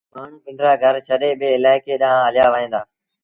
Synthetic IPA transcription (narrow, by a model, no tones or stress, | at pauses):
maːɳ̤ũːpɪ̃ɳɾaːɡʱɐɾt͡ʃʰɐɗeɓeɪlaːɪkeɗaãɦɐlɪjaːʋɐɦẽːnd̪aː